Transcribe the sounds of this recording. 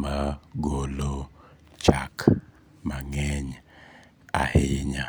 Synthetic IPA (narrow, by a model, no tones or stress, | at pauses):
maɡolo | t͡ʃak | maŋɛɲ | a̰hɪɲa